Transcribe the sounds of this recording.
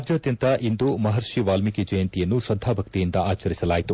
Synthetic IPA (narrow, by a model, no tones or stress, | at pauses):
ɾd͡ʒjɐːd̪jɐnt̪ɐʔind̪umɐɦɐɾʃiʋaːlmikid͡ʒɐjɐnt̪ijɐnːusɐd̪ʱaːbʱɐk̚t̪ijind̪ɐaːt͡ʃɐɾisɐlaːjit̪u